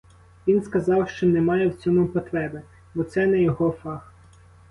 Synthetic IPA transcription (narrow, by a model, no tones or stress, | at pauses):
ʋʲinskɐzɑwʃt͡ʃɔnɛmɑjɛwt͡sʲɔmʊpɔt̪ɾɛbe | bɔt̪sɛnɛjɔɦɔfɑx